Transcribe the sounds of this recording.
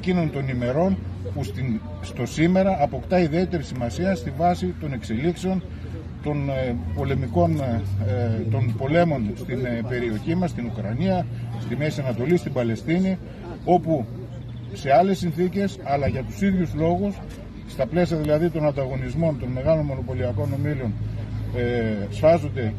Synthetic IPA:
ecinunt̪o̞nime̞ɾo̞npust̪i | st̪o̞sime̞ɾɐːpo̞kt̪ɐiðie̞t̪e̞ɾisimɐsiɐst̪ivɐsit̪o̞ne̞kse̞likseo̞n | t̪o̞npo̞le̞miko̞n | t̪o̞npo̞le̞mo̞nst̪inpe̞ɾio̞çimɐst̪inukɾɐniɐst̪imesiɐnɐt̪o̞list̪imbɐle̞st̪ini | o̞pu | se̞ɐle̞sːinθice̞sɐlɐʝɐt̪u̥siðʝuzlo̞ɣusː | t̪ɐple̞siɐðilɐðit̪o̞nɐnd̪ɐɣo̞nizmo̞nt̪o̞nme̞ɣɐlo̞nmo̞no̞po̞liɐko̞no̞milo̞n | sfɐzo̞nd̪e̞

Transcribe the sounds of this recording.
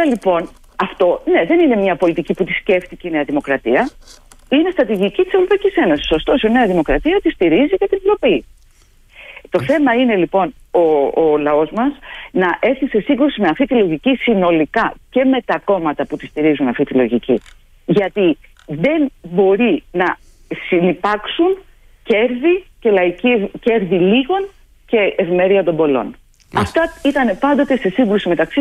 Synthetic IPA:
ɐlipo̞n | ɐft̪o̞ne̞ðe̞nine̞mɲɐpo̞lit̪iciput̪isce̞ft̪iceine̞ɐðimo̞kɾɐt̪iɐ | ine̞st̪ɾɐt̪iʝicit̪ise̞vɾo̞pɐicise̞no̞si̥so̞st̪o̞soine̞ɐðimo̞kɾɐt̪iɐt̪ist̪iɾizikɐt̪invɾo̞pi | t̪o̞θe̞mɐine̞lipo̞n | oːlɐo̞zmɐsnɐʔe̞θise̞siŋɡɾusimeɐft̪it̪ilo̞ʝicisino̞likɐce̞me̞t̪ɐko̞mɐt̪ɐput̪ist̪iɾizunɐft̪it̪ilo̞ʝici | ʝɐt̪i | ðe̞nbo̞ɾinɐ | sinipɐksun | ce̞ɾðice̞lɐicice̞ɾðiliɣo̞n | ce̞evime̞ɾiɐt̪o̞mbo̞lo̞̰n | ɐft̪ɐit̪ɐne̞pɐnd̪o̞t̪e̞se̞siŋɡɾusime̞t̪ɐksi

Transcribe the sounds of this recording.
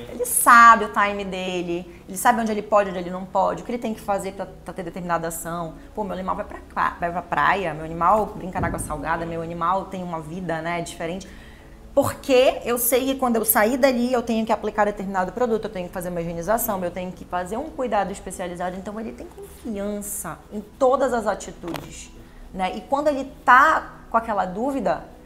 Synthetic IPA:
elɪsabɪʊt̪ajmɪd̪elɪ | elɪsabɪõd͡ʒɪelɪpɔd͡ʒɪõd͡ʒɪelɪnɐ̃w̃pɔd͡ʒɪʊkɪelɪt̪ẽj̃ʊkɪ̥fazeɾpɾɐpɾɐt̪eɾd̪et̪eɾminad̪ɐasɐ̃w̃ | pomewɐnimawvajpɾɐkʰa̰vajpɾɐpɾa̰jɐmewɐnimawbɾĩŋkɐnaɡwɐsawɡa̰d̪ɐmewɐnimawt̪ẽj̃ũmɐvid̪ɐnɛd͡ʒifeɾẽnt͡ʃɪ̥ | poɾkeewsejkɪkwɐ̃nd̪ʊewsaid̪aliewt̪ẽɲʊkɪaplikaɾd̪et̪eɾminad̪ʊpɾod̪ut̪ʊewt̪ẽɲʊkɪ̥fazeɾũmɐeʒẽnizasɐ̃w̃ewt̪ẽɲʊkɪfazeɾũkujd̪ad̪ʊiʃpesializad̪ʊɪẽnt̪ɐ̃w̃elɪt̪ẽj̃kõfiɐ̃sɐẽj̃t̪od̪ɐzɐzat͡ʃit̪ud͡ʒɪs | nɛʔɪkwɐ̃nd̪ʊelɪt̪akõakɛlɐd̪uvid̪ɐ

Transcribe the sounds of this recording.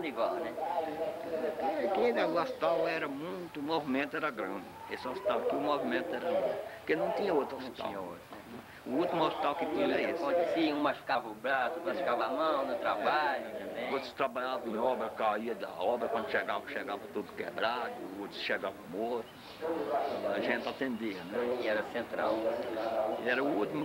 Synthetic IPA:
niɡalnɛ | ekẽd̪aast̪awɛɾɐmũj̃t̪ʊːmovimẽnt̪ʊɛɾɐɡɾɐ̃d̪ɪ | esɪosi̥t̪awkɪʊmovimẽnt̪ʊɛɾɐmũpkenɐ̃w̃t̪ĩɲɐot̪ɾositt̪ã̰ɲɐo̰t̪ɾɛnɛ | ʊut̪imʊospi̥t̪awkɪt̪ĩɲɐisõt̪siũmaʃkavɐʊbɾasʊkaʃkavamɐ̃w̃nʊt̪ɾabaʎt̪ẽd̪ẽot̪ɾʊ̥st̪ɾabaʎavɐ̃ɔbɾɐkaiɐd̪ɐ̰ɔbɾɐkwɐ̃nd̪ʊʃeɡavɐ̃ʃeɡavɐt̪ud̪ʊkḛbɾad̪ʊ̰ot̪ɾʊ̥sʃeɡavɐ̃mot̪ʊ | ɐʒẽnt̪at̪ẽnd̪iɐnɛɛɾɐsẽnt̪ɾa̰w | ɛɾɐut̪imʊ

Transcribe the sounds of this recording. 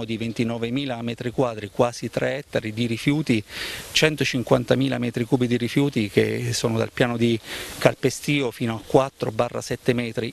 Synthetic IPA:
od̪ivent̪inɔːvemiːlamɛːt̪ɾikwaːd̪ɾikwaːzit̪ɾeɛt̪ːaɾid̪iɾifjuːt̪it͡ʃɛnt̪ot͡ʃiŋkwant̪amiːla̰mɛːt̪ɾikuːbid̪iɾifjuːt̪ik̟ḛsːoːnod̪a̰lpjaːnod̪ikalpest̪iːofiːnoakːwat̪ːɾo̰barːa̰sɛt̪ːemɛːt̪ɾi

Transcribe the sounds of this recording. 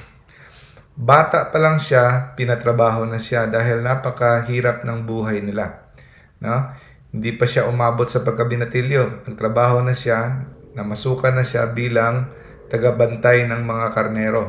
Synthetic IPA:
baːt̪aʔpɐlɐŋʃapɪnɐt̪ɾɐbaːɦo̞nɐʃad̪aːɦɪlnaːpɐkɐɦiːɾɐp̚nɐŋbuːɦajnɪla | no̞ | hɪnd̪ipɐʃaʔʊmaːbo̞t̪sɐpɐɡ̚kɐbɪnɐt̪ɪljonɐɡ̚t̪ɾɐbaːho̞nɐʃanɐmɐsuːkɐnɐʃa̰biːlɐŋ | t̪ɐɡɐbɐnt̪ajnɐŋmɐŋakɐɾnɛːɾo̞

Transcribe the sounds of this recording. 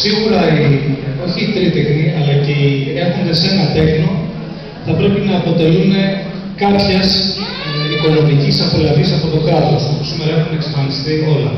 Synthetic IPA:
siɣuɾɐio̞çiːt̪ɾit̪exniɐlɐcee̞xond̪e̞se̞nɐt̪e̞xno | θɐpɾe̞pinɐːpo̞t̪e̞lune̞ | kɐpçɐs | iko̞nomicisɐpolɐðisɐpo̞t̪o̞kɐt̪o̞sopusimeɾɐexuneksɐ̥fɐlist̪io̞lɐ

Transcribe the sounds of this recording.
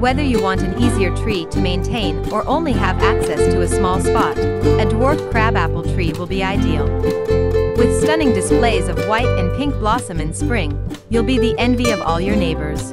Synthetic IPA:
wɛðə˞jɨwɑ̃ntɨ̃niziə˞tʰɹ̥iɾɨmẽɪ̃ntʰẽɪ̃nə˞ʔõʊ̃nliɨvæksɛstʰɨːsmɔlˠspɑɾɨdwɔɹkkʰːɹ̥æbæpl̩ˠtʰɹ̥iwəlˠbiaɪdil̩ˠ | wɨð̥stʌ̃nɪ̃ŋdɨspleɪzʌvwaɪɾɨ̃npʰɪ̃ŋk̚b̥lɑsə̃mɨ̃nspɹɪ̃ŋ | julˠbiðiʔɛ̃nviʌvɔlˠjə˞neɪbə˞z̥

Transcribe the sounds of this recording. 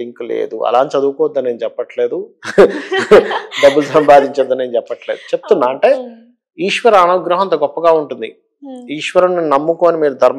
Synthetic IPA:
iŋklḛːd̪uɐ̰laːnt̪t͡ʃɐd̪uːkɔːɐd̪ːɐnːe̞ːnut͡ʃɛpːɐʈle̞ːd̪u | ɖɐbːulusɐmbaːd̪iɲt͡ʃɐd̪ːɐneːnut͡ʃɛpːɐʈle̞ːd̪ut͡ʃeput̪unːaːɐɳʈe̞ː | iːʂʋɐɾɐɐnɐɡɾɐɦɐɐnt̪̬ɐɡɔpːɐɡaːuɳʈund̪ḭ | iːʂʋɐɾɐmninɐmːukoɐnimiːɾud̪ʱɐɾm

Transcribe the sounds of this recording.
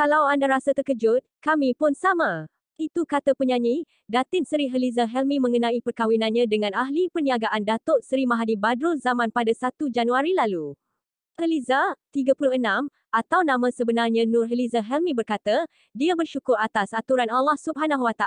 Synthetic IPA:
kalawandaɾasat̪ərkəd͡ʒʊt̪̚kamĩpʊnsamã | it̪ukat̪apəɲãɲi | dat̪ɪt̪səɾiɦəlizaɦɛlmĩmə̃ŋənãipərkawinãnɲãdəŋãnaɦlipəniaɡaʔandat̪ʊʔsəɾimaɦanibadɾʊzamãnpadasat̪ud͡ʒanuaɾilalu | həlizat̪iɡapuluənãm | at̪awnãmãsəbənarɲãnʊ̃rɦəlizaɦɛlmĩbərkat̪a | diabərʃukʊrat̪asat̪uɾanalːahsub̚ɦanaɦwat̪a

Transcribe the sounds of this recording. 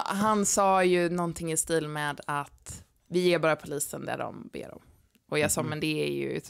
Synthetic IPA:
ɦansɑːjɵnɔnt̪ʰɪŋːɪst̪iːlmɛːd̪at̪ | vɪjeːbɑːɾapʰʊliːsənd̪æ̰ɖɔ̰mbḛːɾɔ̰m | ɔjɑːsɑːmɛnd̪ɛæɾjɵ̰

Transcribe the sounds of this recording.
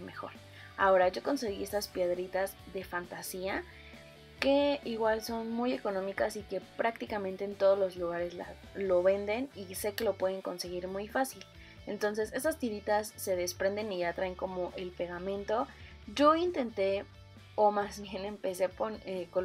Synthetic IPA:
mexo̞̰ɾ | a̰o̞ɾaʝo̞ko̞nse̞ɣie̞st̪aspje̞ðɾit̪azðe̞fant̪asia | ke̞iɣwalso̞nmuje̞ko̞nõ̞mikasike̞pɾak̚t̪ikamẽnt̪e̞ːnt̪o̞ð̞ozlo̞zluɣ̞aɾe̞sla̰ | lo̞βe̞nd̪e̞nise̞ke̞lo̞pwe̞ðe̞ŋko̞nseɣiɾmujfasil | ent̪o̞ns̬e̞se̞stast̪iɾit̪asːe̞ð̞e̞spɾe̞nd̪e̞niat̪ɾaeŋko̞mo̞ʔe̞lpe̞ɣamẽ̞nt̪o̞ | ɟ͡ʝo̞int̪e̞nt̪e̞ | omazβje̞ne̞mpe̞se̞poneko

